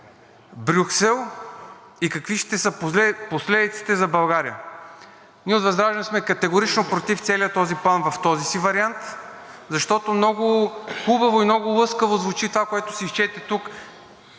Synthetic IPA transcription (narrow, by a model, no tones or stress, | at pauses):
bɾʲuksɛlˠ | ikɐkviʃt̪ɛsəposlɛd̪it̪si̥t̪ɛzɐbɐlˠɡaɾijə | nʲiɛot̪vɐzd̪ɾaʒɛnsmɛkɐt̪ɛɡoɾit͡ʃnopɾot̪ift̪sɛliət̪ɔziplˠanvɐft̪ɔzisivɐɾiant̪ | zɐʃt̪ɔt̪omnɔɡʊxubɐvoimnɔɡʊlˠɤskəvozvʊt͡ʃit̪ovakoɛt̪ʊ̥siiʃt͡ʃɛt̪ɛt̪uk